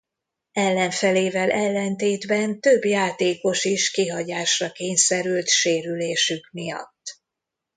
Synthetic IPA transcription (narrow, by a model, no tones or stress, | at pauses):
ɛlːɛɱfɛleːvɛlʔɛlːɛnt̪eːd̪bɛnt̪ø̞bjaːt̪eːko̞ʃiʃkiɦɒɟaːʃrɒkeːɲsɛɾylt̪ʃeːɾyleːʃykmijɒ̰t̪ː